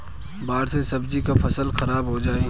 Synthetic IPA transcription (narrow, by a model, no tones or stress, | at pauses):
baːɽsesɐbd͡ʒikapʰɐsəlxɐɾaːbɦod͡ʒaːe